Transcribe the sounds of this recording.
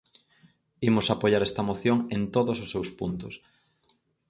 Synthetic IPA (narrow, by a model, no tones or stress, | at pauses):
imʊsapoʎaɾɛst̪ɐmoθjoŋent̪oðʊsʊsːewspunt̪ʊs